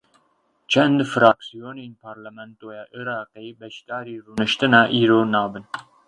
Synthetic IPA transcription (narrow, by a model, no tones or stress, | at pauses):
t͡ʃʰɛnd̪fɨɾaːksijoːneːnpʰaːɾlɛmɛnt̪oːjɛːʔɨɾɑːqeːbɛʃd̪ɑːɾiːruːnɨʃt̪ɨnɑːʔiːɾoːnɑːbɨn